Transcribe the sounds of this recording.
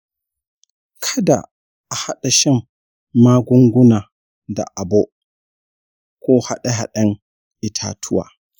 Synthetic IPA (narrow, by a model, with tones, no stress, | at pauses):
kʰa˦da̰˨ | a˨ha˦ɗa˨ʃɛ˦n | maː˦ɡu˦ŋɡu˦na˨ | da̰˨ʔa˨bɔ˦ | kɔː˦ha˦ɗɛ˨ɦa˨ɗɛ˦n | ʔi˨tʰa̰ː˨tʰu˦wa̰˨